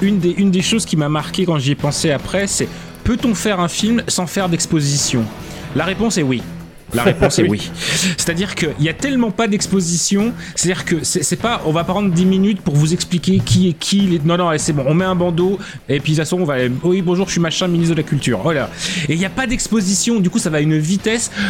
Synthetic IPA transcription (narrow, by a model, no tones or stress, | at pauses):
ynd̪eʔynd̪eʃozkʲimamaʁkʲekɑ̃ʒiɛpɑ̃seapχɛsɛ | pøt̪ɔ̃fɛʁɛ̃filmsɑ̃fɛʁd̪ɛkspozisjɔ̃ | laʁepɔ̃sɛwi | la̰ʁepɔ̃sɛwise̥t̪ad̪iʁkəʔiljat̪ɛlmɑ̃pad̪ɛkspozisjɔ̃se̥t̪ad̪iʁkəsɛsɛpaʔɔ̃vapʁɑ̃d̪ʁd̪iminyt̪puʁvuzɛksplikʲekʲʰiɛkʲʰilenɔ̃nɔ̃ɛsɛbɔ̃ɔ̃mɛɛ̃bɑ̃d̪o | epɥisaswɔ̃ɔ̃vawibɔ̃ʒuʁʃɥimaʃɛ̃minit̪d̪əlakʲylt̪y̰ːʁolaeljapad̪ɛkspozisjɔ̃d̪ykusavaynvit̪ɛs